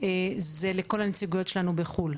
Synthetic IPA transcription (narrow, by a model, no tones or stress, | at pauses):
ezeleko̞lhanet͡siɡujo̞tʃelanubeχul